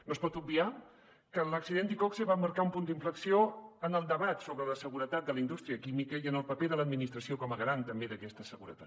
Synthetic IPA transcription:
nospɔt̪ub̚bia | kələksiðend̪ikɔkseβaməɾkaumpund̪iɱfləksioənəlˠd̪əβat̪soβɾələsəɣuɾət̪at̪̚d̪ələind̪ust̪ɾiəkimikəiənəlˠpəpeðələːd̪minist̪ɾəsiokɔməɣɾant̪əmbeðəkɛst̪əsəɣuɾə̰t̪at̪

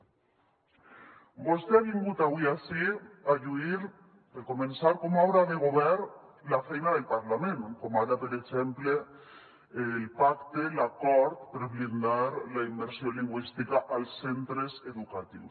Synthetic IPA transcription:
bost̪eaβiŋɡut̪aβwiasiaʎuiɾ | peɾkomẽnsaɾkomawɾaðeɣ̞oβɛɾlafɛjnaðelpaɾlamẽŋkomaɾapeɾekt͡ʃempleː | lpakt̪elakɔɾt̪peɾβlind̪aɾlaimbeɾsjoliŋɡwist̪ikaʔalsːent̪ɾeseðukat̪ḭws

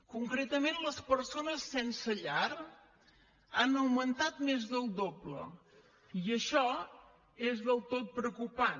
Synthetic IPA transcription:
kuŋkɾet̪əmenləspəɾsonəsːɛnsəʎaɾ | anəwmənt̪at̪mezðəlˠd̪oblə̰ | iəʃɔ | ezðəlˠt̪ot̪̚pɾəkupa

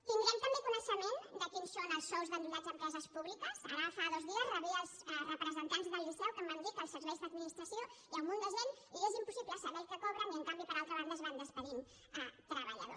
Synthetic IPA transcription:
t̪ind̪ɾamt̪əmbekunəʃəmend̪əkinsonəlˠsːɔwzðənd̪ulazəmpɾɛzəspuβlikəza̰ɾafaðozðiəzrəβiəlˠzrəpɾəzənt̪anzðəlˠːisɛwkəmənd̪it̪əlˠsəɾβɛjzðəðminist̪ɾɐsijoiəlmund̪əzβen | iezimpusiβləsəβɛlkəkɔβɾəniəŋkambipəɾalˠt̪ɾəβaɾəzβand̪əspəɾim | ət̪ɾəβəʎa̰ðo̰

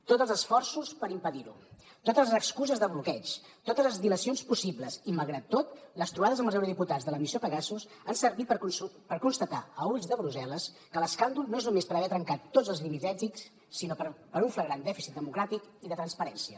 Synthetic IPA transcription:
t̪ot̪zəlˠzəsfɔrsuspəɾimpəðiɾṵ | t̪ot̪əzəkskuzəzðəβlukɛt͡ʃ | t̪ot̪əzləzðiləsionspusibləziməlˠɣɾat̪ːot̪ləst̪ɾuβaðəzəməlˠzəwɾuðiput̪ad͡zðələmisiopəɣasus | ansəɾβit̪pəɾkunst̪ət̪a̰əuʎzðəβɾuzɛləs | kələskand̪ulˠnoeznumespəɾəβɛt̪ɾəŋkat̪ːod͡zəlˠzlimiʒɛʒiks | sinopəɾpəɾuɱfləɣɾand̪ɛfisit̪̚d̪əmukɾat̪ikiðət̪ɾənspəɾɛnsiə

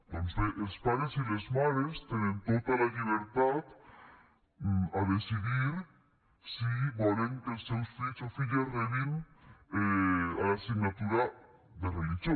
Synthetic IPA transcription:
t̪onseʔelspaðɾesilezmaðɾest̪enẽnt̪ot̪alaʎiβeɾt̪at̪ | aðesiðiɾ | siβoɾeŋkesewsfisofiʎazðeβinealasiɡnat̪uɾa | ðerelixjo

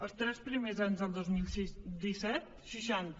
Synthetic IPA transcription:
əst̪ɾɛspɾimezanzd̪əlˠd̪ozmilsid̪isɛt̪ | ʃiʃant̪

